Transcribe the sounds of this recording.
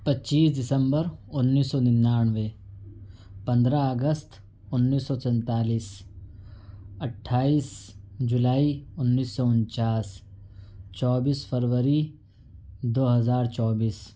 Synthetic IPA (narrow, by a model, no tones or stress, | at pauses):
pɐtːt͡ʃːiːsdɪsə̃mbəɾʊnːiːsːɔːnɪnːaːnʋe | pɐ̃nd̪ɾaəɡəst̪ʰ | ʊnːiːsːɔːsɛ̃nt̪aːliːs | ɐʈʰːaːiːsd͡ʒʊlaːiʊnːiːsːɔʊnt͡ʃaːs | t͡ʃɔːbiːsfʰəɾʋəɾi | d̪oːɦɐzaːɾt͡ʃɔːbiːs